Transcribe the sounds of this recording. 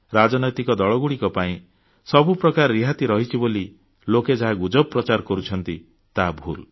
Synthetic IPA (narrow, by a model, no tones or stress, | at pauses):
ɾad͡ʒɔnɔjt̪ikɔd̪ɔɭɔɡuɽikɔpaĩ | sɔbupɾɔkaɾːiɦat̪iɾɔɦit͡ʃʰiboli | loked͡ʒaɦaɡud͡ʒɔbpːɾɔt͡ʃaɾkɔɾut͡ʃʰɔnt̪i | t̪abʱṵl